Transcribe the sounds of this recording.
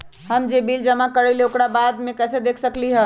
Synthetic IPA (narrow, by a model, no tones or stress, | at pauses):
həmd͡ʒebild͡ʒəmakəɾeleokɾabad̪mẽkɛsed̪ekʰsəkliɦə